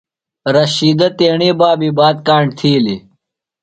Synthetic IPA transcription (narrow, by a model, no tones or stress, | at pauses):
ɾɐɕiːd̪ɐt̪eːɳeːbaːbiːbaːd̪̚kaːɳɖt̪ʰiːli